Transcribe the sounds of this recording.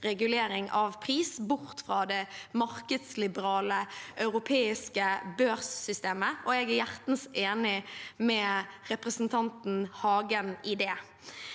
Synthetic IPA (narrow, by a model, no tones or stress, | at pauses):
ʁɛɡʉleːɾɪŋʔɑʋpʰʁiːsbʊʁt̪fʁɑːd̪ɛmɑɾkəd̪slɪbəʁɑːləʔœʉʁʊpʰeːɪskəbøːɾsːʏst̪eːməʔɔɛɡæɾjæʁt̪n̩seːnɪmɛʁɛpʁəsn̩t̪ʰɑnt̪n̩hɑːɡənɪd̪eː